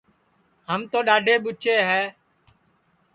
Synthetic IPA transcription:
ɦəmt̪oːɗaːɖʱeːɓʊt͡ʃeːɦɛː

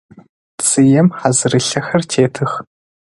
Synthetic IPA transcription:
sɨjɛmħazɨɾɨɬɐxɐrtʰeːtʰɨx

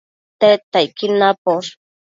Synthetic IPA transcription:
t̪et̪ajkinapos

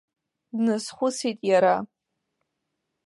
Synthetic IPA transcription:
dnɨsχʷʊsitʼjaɾa

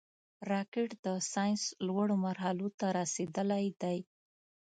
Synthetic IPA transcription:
ɾɑkɪʈd̪əsɑjnslwaɽomaɾɦalot̪aɾased̪əlajd̪aj

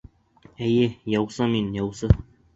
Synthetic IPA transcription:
æjɘjɑwsɑminjɑwsɤ

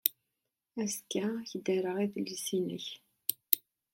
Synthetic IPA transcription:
æskːæçd̪æɾəʁiðlːisinə̰ç

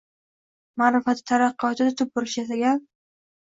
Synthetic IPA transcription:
maːɾɪfat̪ʰɪ̥t̪ʰaɾɑqːɒt̪ɪd̪at̪ʰʊp̚boɾɪʃjas̬aɡʲan

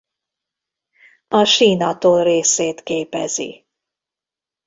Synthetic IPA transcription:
ɒʃiːnɒt̪oːlreːseːt̪keːpɛzḭ

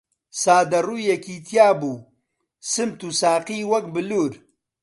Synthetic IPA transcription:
saːd̪ɐruːjɐkiːt̪ʰjaːbuː | sɨmt̪usaːqiːwɐk̚bɨluːɾ

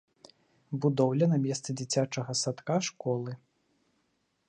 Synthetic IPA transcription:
bud̪ɔwlʲɐnɐmʲɛst̪sɨd͡zʲit͡sʲat͡ʂɐɣɐsat̪kaʂkɔlˠɨ

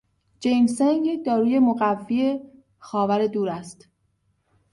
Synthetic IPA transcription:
d͡ʒejmseŋɡed̪ɒːɾuːje̞moɣævːie | xɒːvæɾe̞d̪uːɾæst̪

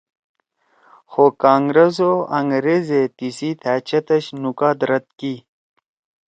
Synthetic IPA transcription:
xokaːŋɡɾɐzoɐŋɡɾeːzet̪isit̪ʰæːt͡ɕɐt̪ɐɕnukaːd̪ɾɐt̪̚kiː

